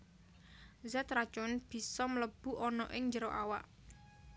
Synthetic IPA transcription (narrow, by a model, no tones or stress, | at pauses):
zɛt̪ɾat͡ʃʊnb̥i̤sɔmələb̥ṳʔɔnɔʔɪŋɲd͡ʒəɾɔʔawa̰ʔ